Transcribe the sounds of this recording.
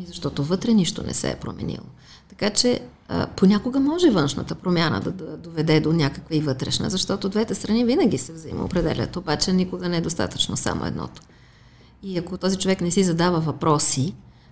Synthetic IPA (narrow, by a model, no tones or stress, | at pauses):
izɐʃt̪ɔt̪ovɤt̪ɾɛniʃt̪o̰nɛ̰sɛ̰ːpɾo̰mɛ̰nḭlˠo̰ | t̪ɐ̥kat͡ʃɛ | ə̰ponʲakoɡəmɔʒɛvɤnʃnə̰t̪əpɾomʲjanə̰d̪ɐd̪d̪ovɛd̪ɛd̪onʲakəkvəivɤt̪ɾɛ̰ʃnə̰zɐʃt̪ɔt̪od̪vɛt̪ɛst̪ɾɐnivinəɡ̟isɛvzḭmə̰o̰pɾɛd̪ɛ̰lʲə̰t̪obat͡ʃɛnikʊɡənɛɛd̪ost̪a̰t̪ət͡ʃnosa̰mo̰ɛ̰d̪nɔ̰t̪o̥ | iɐkot̪ɔzit͡ʃovɛknɛsizɐd̪avəvɐpɾɔsi